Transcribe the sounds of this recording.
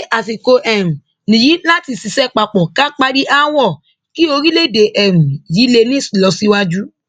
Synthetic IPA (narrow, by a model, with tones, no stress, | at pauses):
ʔa˨t̬i˨ko˧ʔɛ˦˨ɾũ˨ | nĩ˨ji˨˦la˦ti˧si˧sɛ˦k͡pa˧k͡pɔ˨kã˦k͡pa˦ɾi˦ʔa˦wɔ˦˨ | ki˦o˧ɾi˦le˦˨de˨ʔɛ˨ɾũ˨ji˨˦le˧nĩ˦si˨lɔ˧si˦wa˦d͡ʒu˦